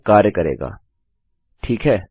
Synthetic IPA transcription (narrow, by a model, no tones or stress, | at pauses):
kaːɾjəkɐɾḛːɡa̰ː | ʈʰiːkɦɛː